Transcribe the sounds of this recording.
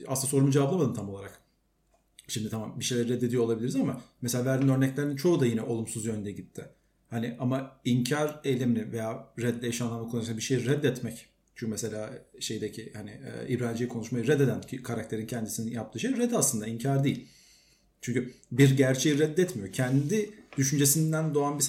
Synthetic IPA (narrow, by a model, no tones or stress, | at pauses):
a̰sɯnaso̞ɾumud͡ʒevablˠamad̪ɯmt̪ʰamolˠaɾak | ʃimd̪ɪt̪ʰamambiʃe̞jlʲæɾɾɛd̪ːed̪ijo̞lˠabilʲiɾizamameseaːvæɾd̪inø̞ɾnɛclʲeɾinit͡ʃʰo̞ud̪ajinɛʔo̞lˠumsuzjønnd̪ɛɟit̪ʰːɪ | hanɪʔamaiɲcʰaɾe̞jlʲeminɪvejaːɾɛd̪ːʲɛjaʃanˠaɾmakulˠsabiʃe̞jiɾɛd̪ːɛt̪mɛc | t͡ʃʰycmɛselʲaːʃe̞jd̪ecʰihanɪ̰ɛ̰ːibɾaːd̪d͡ʒijkʰo̞nuʃmajɯɾɛd̪e̞d̪æncʰikʰaɾak̚t̪ʰeɾincʰɛnd̪isininjap̚t̪ɯːʃejɾɛd̪aslˠɯnd̪aiɲcʰaɾd̪ejilʲ | t͡ʃʰyɲcybiɾɟæɾt͡ʃʰe̞jiɾɛd̪ːɛt̪mijo̞cʰɛnd̪id̪̥yʃynd͡ʒe̞sind̪ænd̪o̞anbis